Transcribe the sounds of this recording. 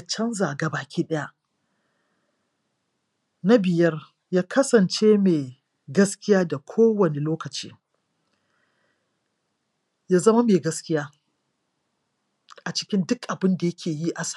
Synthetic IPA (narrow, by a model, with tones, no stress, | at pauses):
t͡ʃɐ˦nzaː˨ɡa˨baː˨kʲʰiː˦ɗɐ˦ja˦ʔ | na˦bɪ˨jɐ˦r | jaː˦kʰɐ˦sɐ˨nt͡ʃeː˦meː˨ | ɡɐ˦skʲɪ˦jaː˦da˨kʷʰoː˦wɐ˨ne˨loː˦kɐ˨t͡ʃḭː˦ | jaː˦zɐ˦ma˦meː˨ɡɐ˦skʲɪ˦jaː˦ | ʔa˨t͡ʃɪ̥˦kʲɪ˦ndʊ˦kʔa˨bɪ˦nda˨jɐ˦kʲʰeː˨ji˦ʔa˨s